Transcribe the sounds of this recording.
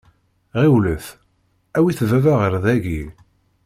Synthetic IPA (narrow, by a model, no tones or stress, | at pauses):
ʁiwləθ | æwiθvævæʁəɾðæʝi